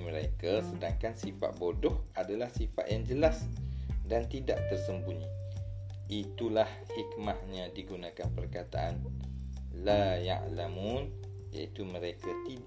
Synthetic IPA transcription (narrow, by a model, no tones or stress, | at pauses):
məɾekasədaŋkansifa̰ʔ̪̚bodɔhadalahsifa̰ʔ̪̚jaŋd͡ʒəlasdant̪ida̰ʔt̪ərsəmpuɲi | it̪ulahhik̚mahɲãdiɡunãkanpərkat̪aʔan | laja̰ʕlamun | ja̰it̪umə̃ɾekat̪i